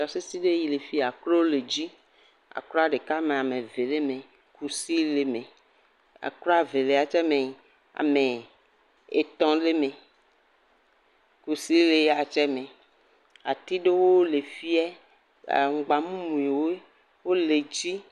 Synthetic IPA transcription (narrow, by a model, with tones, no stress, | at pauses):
ɔ˨se˦si˦ɖe˦ji˨le˨fi˦˨a˨klo˦wo˦le˨d͡ʑi˦ | a̰˨kɾɔ˦a˨ɖe˨ka˦mẽ˨a˨me˨ve˨le˦mẽ˨ | ku˨si˦le˨me˨ | a̰˨klɔ˦a˨ve˨le˨a˨t͡ʃɛ˦mẽ˨ | a̰˨me˨ | e˨t̪ɔ̃˨le˦mẽ˨ | ku˨si˦le˨˦a˨t͡ʃɛ˦mẽ˨ | a̰˨t̪i˦ɖe˦wo˦le˨fi˦ɛ̰˦˨ | ŋ̩˨ɡ͡ba˨mũ˦mũ˨i˨wo˦e˦ | wo˦le˨d͡ʑi˦